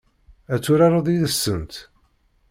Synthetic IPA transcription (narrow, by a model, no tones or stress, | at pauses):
æt͡sːuɾɑɾˤɑðˤiðəsːənt̪